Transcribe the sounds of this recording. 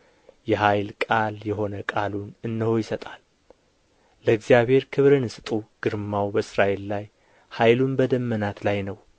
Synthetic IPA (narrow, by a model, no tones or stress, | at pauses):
jɛɦajlkʼaljɛɦo̞nəkʼalunɨnːəho̞jɪsət̪ʼal | əɨɡzijaβhe̞ɾkʰɨβɾɨnɨst̪ʼuɡ̥ɨɾmawbəsɾaʔe̞lːaj | hajlunbəd̪əmːənat̪lajnəw